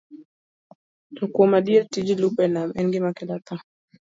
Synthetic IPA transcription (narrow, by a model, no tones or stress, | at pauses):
tɔkuɔmaɗiatid͡ʒilupɛnamɛnɡimakɛlat̪a